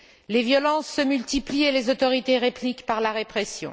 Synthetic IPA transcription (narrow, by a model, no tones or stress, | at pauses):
levjɔlɑ̃sːəmylt̪iplielezot̪ɔʁit̪eʁeplikpaʁlaʁepχɛsjɔ̰̃